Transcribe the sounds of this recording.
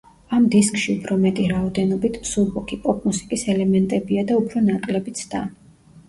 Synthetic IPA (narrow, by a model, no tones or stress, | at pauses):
amd̪iskʼʃiupʰɾɔmɛt̪ʼiɾaɔd̪ɛnɔbit̪ʰsuɾbɔkʰipʼɔpʼmusi̥kʼisɛlɛmɛnt̪ʼɛbiad̪aupʰɾɔnakʼlɛbit̪sʰd̪̥a